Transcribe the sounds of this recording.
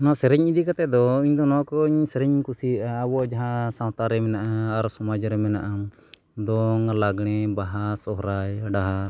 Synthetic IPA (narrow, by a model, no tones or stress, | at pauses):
nɔsɛɾɛɲid̪ikat̪ɛd̪ɔiɲd̪ɔnɔkɔɲsɛɾɛɲkusiɾʔaːbɔd͡ʒaɦãsawt̪aɾɛmɛnaʔaːɾsɔmad͡ʒɾɛmɛna̰ʔa | d̪ɔŋlaɡɽ̃ɛbaɦasɔɦɾajɖaɦaɾ